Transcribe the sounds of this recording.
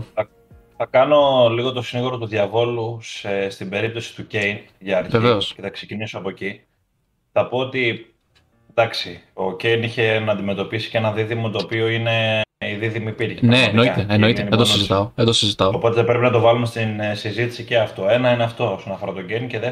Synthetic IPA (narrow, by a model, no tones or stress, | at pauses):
ɐ | θɐkɐno̞liɣo̞t̪o̞siniɣuɾo̞t̪uðʝɐvo̞lusest̪ibe̞ɾip̚t̪o̞si̥t̪uce̞jnʝɐːɾçveveosce̞θɐkse̞cinisoɐpo̞eci | θɐpo̞ot̪i | d̪ɐksio̞ce̞jniçe̞nɐːnd̪ime̞t̪o̞pisi̥ce̞nɐðiðimot̪o̞ːpio̞ine̞iðiðimiːpiɾʝinneeno̞it̪eːnno̞it̪enid̪onizit̪ɐoðend̪osizit̪ɐoopo̞t̪eðepɾepinɐt̪o̞vɐlume̞st̪insizit̪i̥sice̞ɐft̪oe̞nɐineɐft̪o̞osonɐfo̞ɾɐt̪o̞ɟejnce̞ðe